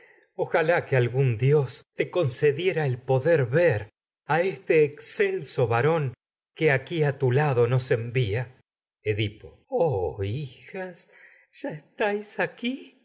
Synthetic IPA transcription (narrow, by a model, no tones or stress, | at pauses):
oxalakealɣund̪jost̪eko̞nseðje̞ɾaelpo̞ðeɾβeɾ | aest̪eːkselso̞βaɾo̞ŋ | keakiat̪ulaðo̞no̞sembia | eðipo | oixas | ʒ̥aest̪ajsaki